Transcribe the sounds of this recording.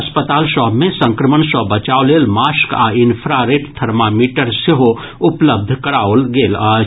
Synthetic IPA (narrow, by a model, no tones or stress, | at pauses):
ɐspət̪aːlʃɔːbmẽsə̃ŋkɾəməɳsɔːbət͡ʃaːoleːlmaːska̰ːɪnpʰɾaɾeːʈt̪ʰɐɾmaːmiːʈəɾseɦo | ʊpləb̚d̪ʱkɐɾaːolɡeːla